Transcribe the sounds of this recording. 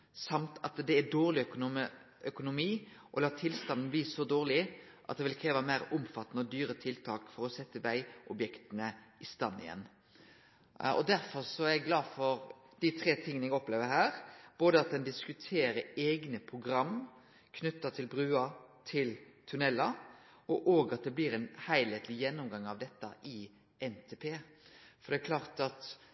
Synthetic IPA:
sɑmt̪ʰɑt̪d̪ɛæɖ̪oːʁlɪ | œkʊnʊmiː | ʔɔlɑːt̪ʰɪlst̪ɑnd̪n̩bliːsɔd̪oːʁlɪ | ʔɑ̰t̪̚d̪ɛʋɪlkʰɾeːʋɑmæɪɾʊmfɑt̪ːənəɔd̪yːɾət̪ʰɪlt̪ʰɑːkfɔɾɔsɛt̪ːəʋæɪʔɔbjɛkt̪ənəɪst̪ɑnːɪ̰ɛ̰nː | ɔ̰d̪æɾfɔsɔæɾɛɡlɑːd̪fɔɾd̪̥ɪt̪ʰɾeːt̪ʰɪŋːənɛɡɔpleːʋəɾɦæːɾb̥oːd̪əɑt̪̚d̪ɛnd̪ɪskʉt̪ʰeːɾəɾeːɡnəpʰʁʊɡɾɑmː | kʰnʉt̪ːət̪ʰɪlbɾʉːɑt̪ʰɪlt̪ʰʉnɛlːɑ | ɔʔoːɡɑt̪̚d̪ɛbliːɾɛnhæɪleɪt̪lɪjɛnːʊmɡɑŋːɑʋd̪ɛt̪ːɑʔɪ | ɛnt̪ʰeːpʰeːfɔɾd̪ɛːkʰlɑːʁt̪ɑt̪

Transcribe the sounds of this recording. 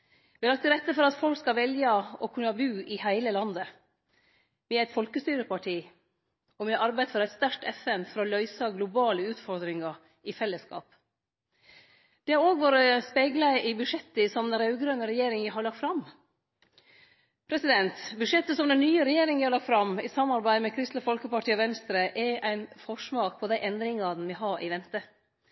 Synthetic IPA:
ʋɪhɑɾlɑk̚t̪ːɪɾɛt̪ːəfɔɾɑt̪fɔlkskɑlʋɛljəɔkʰʉnːɑbʉːɪhæɪləlɑnd̪ə | ʋɪæɪt̪fɔlkəst̪yːɾəpɑʈʰiː | ɔʋɪɑɑɾbæɪd̪fɔɾɛɪt̪st̪æɾkʈ̪ɛfɛnfɔɾɔlœʏsɑɡlʊbɑːləʉːt̪fɔɾd̪ɾɪŋɑ | ɪfɛlːəskɑ̰ːp | d̪̥ɛhɑɾoːɡʋoːɾəspeːɡlæʔɪbʉʂɛt̪ːəsɔmd̪ɛnɾɑʉɡɾœnəɾɛjeːɾɪŋʋæɪɦɑɾɭɑkt̪fɾɑm | pʰɾɛsɪd̪ɛnt̪bʉʂɛt̪ːəsɔmd̪ɛnnːyːəɾɛjeːɾɪŋʋɪhɑlɑkt̪fɾɑmɪsɑmɑɾbæɪmɛkʰɾɪst̪ləfɔlkəpɑʈʰiːɔʋɛnst̪ɾəʔɛʔæɪnfɔʂmɑːɡ̚pʰɔd̪æɪʔɛnd̪ɾɪŋɑn̩ʋɪɦɑːʔɪ̰ʋɛnt̪ə

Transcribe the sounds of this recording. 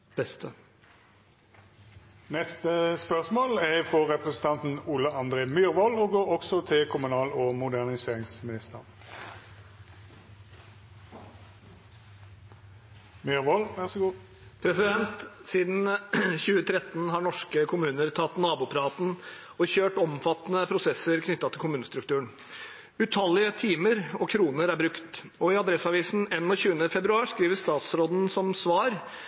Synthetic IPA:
b̥ɛst̪ə | nɛst̪əspœʁsmoːlɛʁfʁɔʁɛpʁɛsən̩t̪ʰɑnt̪n̩uːləɑnd̪ʁeːmyːʁʋɔloːɡoːɾɔksɔt̪ʰɪlkʰʊmʉnɑːlɔmʊd̪æʁnɪseːʁɪŋsmɪnɪst̪əʁ | myɾʋɔlʋɛʁsɡuː | pʰɾɛsɪd̪ɛnt̪siːd̪n̩çʉːət̪ʰɾɛt̪n̩ɦɑɳɔʂkəkʰʊmʉːnəɾt̪ʰɑt̪ːnɑːbuːpʰɾɑːt̪n̩ɔçøːʈɔmfɑt̪nəpʰɾʊsɛsəɾkʰnʏt̪ːɑt̪ʰɪlkʊmʉːnəst̪ɾʉkt̪ʰʉːəɳ | ʉt̪ʰɑlːɪət̪ʰiːməɾɔkʰɾuːnəɾæɾbɾʉkt̪ | ɔɪɑd̪ɾɛsɑʋiːsn̩ɛnːɔːçʉːənəfɛbɾʉɑːʂkɾiːʋəst̪ɑːt̪sɾoːd̪n̩sɔmsʋɑːɾ

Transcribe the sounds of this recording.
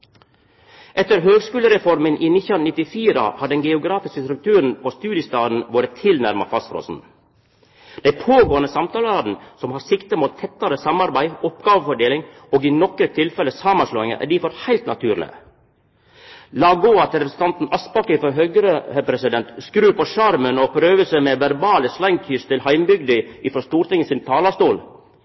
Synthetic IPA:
ʔɛt̪ːəɾɦøːɡskʉːləɾɛfɔɾmənʔiːnɪnɪt̪ːɪfiːɾɑ̰hɑɖɛnɡɛʊɡɾɑːfɪskəst̪ɾʉk̚t̪ʰʉːɾənpʰost̪ʉːd̪jəst̪ɑːd̪n̩ʋoːɾət̪ʰːɪlnæɾmɑ̰fɑst̪fɾo̰ːsn̩ | d̪̥ɛɪpʰoːɡoːnəsɑmt̪ʰɑːləɾɑd̪n̩sɔmhɑɾsɪkt̪əmuːt̪ʰːɛt̪ːɑɾəsɑmɑɾbæɪɔpɡɑːʋəfɔɖeːlɪŋ | ɔɡɪnɔkɾət̪ʰɪlfɛləsɑmɑnsloːɪŋə̰ʔæ̰ɖɪfɔɾhæɪlt̪nɑ̰t̪ʰʉːɾlɪ̰ə | lɑːɡoːɑt̪ɾɛpɾəsən̩t̪ɑnt̪n̩ɑspɑkəfɔɾɦøɡəɾəɛpɾɛsɪd̪ɛnt̪skɾʉːpɔʃɑɾmənɔpʰɾøːʋəsəmɛʋæɾbɑːləslæɪŋkʰʏst̪ɪlhæɪmbʏɡd̪əɪfɾɔst̪uːɾʈ̪ɪŋːəsɪnt̪ʰɑːlɑst̪uːl

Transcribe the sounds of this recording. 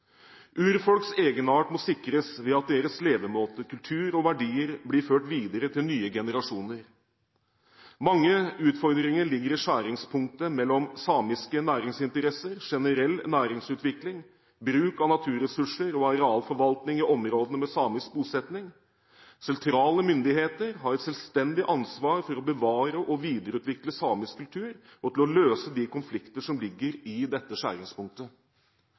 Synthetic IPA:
ʔʉːɾfɔlkseːɡənɑːʈmɔsɪkɾəsʋɛɑt̪̚d̪eːɾəsleːʋəmoːt̪əkʰʉlt̪ʰʉːɾɔʋæɖiːəɾblɪɾføːʈʋiːd̪əɾət̪ʰɪlnyːəɡɛnəɾɑʂuːnəɾ | mɑŋːəʉːt̪fɔɾd̪ɾɪŋəɭɪɡəɾɪʂæːɾɪŋspʰʊŋk̚t̪əmɛlːɔmsɑːmɪskənæːɾɪŋsɪnt̪əɾɛsəɾʂɛnəɾɛlːnæːɾɪŋsʉːt̪ʋɪklɪŋ | bɾʉːkɑnɑt̪ʰʉːɾɛsʉʂəɾɔɑɾɛɑːlfɔɾʋɑlt̪nɪŋɪʔɔmɾoːd̪əəmɛsɑːmɪsk̚buːsɛt̪nɪŋ | sɛnt̪ʰɾɑːləmʏnd̪ɪheːt̪əɾɦɑɾɛt̪sɛlst̪ɛnd̪ɪʔɑnsʋɑːɾfɔɾɔbəʋɑːɾəʔɔʋiːd̪əɾəʉːt̪ʋɪkləsɑːmɪskʰʉlt̪ʰʉːɾ | ɔt̪ʰɪlɔløːsəd̪ikʊnflɪkt̪əʂɔmlɪɡːəɾɪd̪ɛt̪ːəʂæ̰ːɾɪŋspʰʊŋk̚t̪ə

